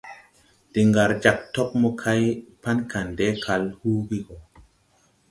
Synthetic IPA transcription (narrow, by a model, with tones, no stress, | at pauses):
d̥i˨ŋɡa˨ɾd͡ʒa˨k̚to˦k̚mɔ˦kʰa˦jpa˦nka˨nde˦kʰa˨lhu˦ɡi˦ɡo˨